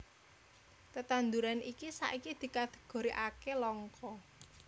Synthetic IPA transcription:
t̪ət̪and̪uɾanikisa̰ʔikid̪̥i̤kat̪e̥ɡ̥o̤ɾiʔakelɔŋkɔ

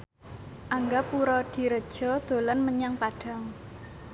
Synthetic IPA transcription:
ʔaŋɡapuɾɔd̪̥i̤ɾəd̥ʒ̥ɔ̤d̪̥o̤lanməɲaŋpaɖ̥a̤ŋ

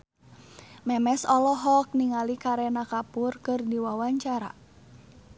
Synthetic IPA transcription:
mɛmɛsɔlɔɦɔk̚niŋalikaɾɛnakapʊrkɨrdiwawaɲt͡ʃaɾa̰

